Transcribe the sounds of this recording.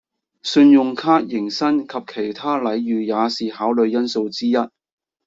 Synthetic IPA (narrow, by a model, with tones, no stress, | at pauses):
sɵ˧njʊ˨ŋkʰaː˥k̚jɪ˨˩ŋsɐ˥nkʰɐ˨p̚kʰe˨˩jt̪ʰaː˥lɐ˨˧jɥyː˨˩jaː˨˧siː˨haː˨˥wlɵ˨˧ɥjɐ˥nso˧wt͡siː˥jɐ˥t̚